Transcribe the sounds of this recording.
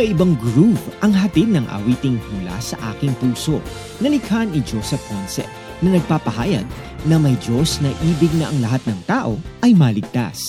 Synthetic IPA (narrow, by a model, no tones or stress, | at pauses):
sɐʔɪbɐŋɡɹupʔɐŋɦɐt̪id̪̚nɐŋʔɐ̰wiːt̪ɪŋhulɐ̰sɐʔa̰ːkɪŋpuːso̞ | nɐlɪkhɐnɪd͡ʒosɛfɐnsɛ̰ | nɐnɐɡ̚paːpɐɦa̰ːjɐ̰ɡ̚ | nɐmɐjd͡ʒo̞snɐʔiːbɪɡ̚nɐʔɐŋlɐɦat̪̚nɐŋt̪aːʔo̞ʔɐjmɐːlɪɡ̚t̪a̰s